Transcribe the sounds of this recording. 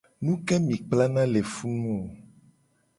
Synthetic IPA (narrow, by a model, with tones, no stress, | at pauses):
nũ˦kɛ˦mĩ˨k͡pla˦nã˦le˨fu˦nũ˦o˨